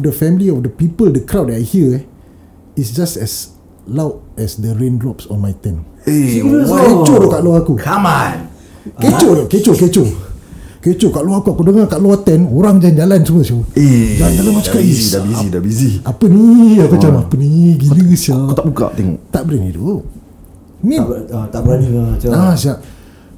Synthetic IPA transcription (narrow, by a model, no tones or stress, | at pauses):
ɔfdəfɛmiliɔfdəpipəldəkɾawd̚ɛtajhiə | isd͡ʒastɛs | lawt̚ɛsdəɾẽndɾɔpsɔfmajt̪ɛnesikuket͡ʃodɔʔkaʔloaakukaman | ket͡ʃodoket͡ʃoket͡ʃo | ket͡ʃokaʔluakuakudəŋakaʔluat̪ɛnoɾaŋd͡ʒand͡ʒalansəməsioed͡ʒand͡ʒalanmat͡ʃakaiabiidabiziapəniakut͡ʃamaapəniɡiləsiakt̪abuka̰ʔt̪ɛŋɔ̰ʔt̪aʔbəɾɛnḭdo̰ | nit̪abəɾaniasiaʔ